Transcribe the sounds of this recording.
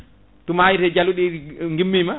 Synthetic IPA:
tumajitɛd͡ʒaluɗiŋɡimːima

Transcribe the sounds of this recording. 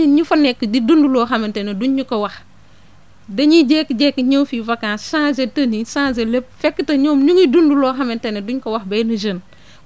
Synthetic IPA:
ɲufɐnɛkːdidundulɔːxɐmɐntɛnɛduɲːukɐwɐx | dɐɲiɟɛːkːd͡ʒɛkːɲɔːfivɐkːaːnsãːzɛtənisãːzɛlɛp̚fɛkːətɐɲɔːmɲuŋidundulɔːxɐmɐntɛnɛduɲkɐwɐxbɐjnud͡ʒən

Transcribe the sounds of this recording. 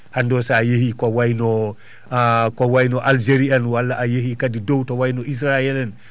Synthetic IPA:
handosajehikowajno | kowajnoʔald͡ʒeɾianwalːaajehikadidowtowajnoʔis̬ɾaelan

